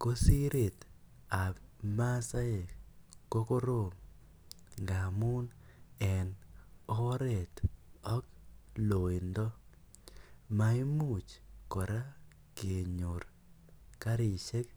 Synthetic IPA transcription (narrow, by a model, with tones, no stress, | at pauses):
ko˦si˦ɾe˨t | a˨bma˦sa˦e˨ko˦ko˦ɾo˦˨ŋ | ŋɡa˨mu˦nɛ˨nɔ˦ɾe˨tɔ˦klo˨i˨ndɔ˦ | ma˦i˦mu˨t͡ʃkɔ˨ɾa˦ | ke˨ɲo˨ɾ | ka˦ɾi˨ʃe˦k